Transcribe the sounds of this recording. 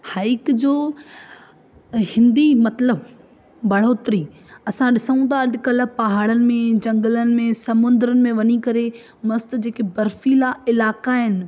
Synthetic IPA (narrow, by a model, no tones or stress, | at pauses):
haːɪkd͡ʑoː | hɪ̃nd̪imɐt̪ləb | bɐɽ̤oːt̪ɾi | ɐsãɗɪsəũt̪ʰaːɐɗɪ̆kɐləpɐɦaːɽənɪ̆mẽd͡ʑɐ̃ŋɡələnɪ̆mẽsɐmʊ̃nd̪ɾənɪ̆mẽʋɐɲikɐɾe | mɐst̪d͡ʑeːkebɐɾfilaɪlaːkaɦɪnɪ̆